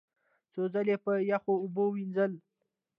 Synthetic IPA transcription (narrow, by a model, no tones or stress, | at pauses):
t͡sozalepəjaxoʊbowinzəl